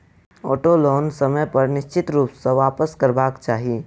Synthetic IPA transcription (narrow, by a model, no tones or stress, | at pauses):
oːʈoloːnsɐməjpɐɾnɪʃt͡ʃɪt̪ɾuːpsəʋaːpəskəɾbaːkt͡ʃaːɦieː